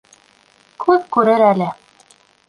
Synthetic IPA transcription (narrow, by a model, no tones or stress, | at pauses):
kʰʉðkʉɾɘɾælɘ